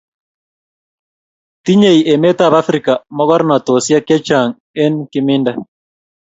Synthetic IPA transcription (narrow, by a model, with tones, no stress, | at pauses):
ti˦ɲe˦˨i˨ʔɛ˨mɛ˦ta˨βa˦fɾi˨ka˨mɔ˦ɣɔ˦ɾna˨to˨sja˦kɛ˦t͡ʃa˨ŋ | ɛ˦nkɪmɪ˦nda˦